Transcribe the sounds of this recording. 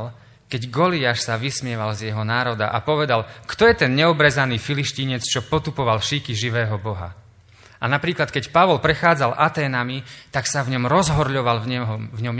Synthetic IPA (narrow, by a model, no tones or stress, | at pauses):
l | kɛɟɡɔliaʃsaʋismɪɛʋalzjɛɦɔnaːɾɔd̪a̰ʔa̰pɔʋɛd̪alkt̪ɔjɛt̪ɛnɲɛɔbɾɛzaniːfiliʃciɲɛt͡st͡ʃɔpɔt̪upɔʋalʃikiʒiʋɛːɦɔbɔɦa̰ | ʔanapɾiːklat̪̚kɛcpaʋɔlpɾɛxaːd͡zalʔat̪ɛːnamit̪aksavɲɔmɾɔzɦɔɾʎɔʋalvɲɔm